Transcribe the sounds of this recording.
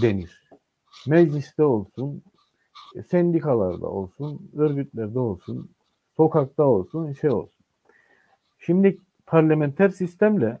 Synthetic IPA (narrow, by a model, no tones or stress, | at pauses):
d̪eniɾ̥ | mɛd͡ʒlʲist̪ɛo̞lˠsun | sɛnd̪ikʰalˠa̰ɾd̪a̰o̞̰lˠsunø̞ɾɡyt̪lʲæɾd̪ɛo̞lˠsun | so̞kʰak̚t̪ao̞lˠsunʃejo̞̰lˠsu̥n | ʃimd̪i | pʰaɾlʲamɛnt̪ʰæɾsist̪ʰæmlʲɛ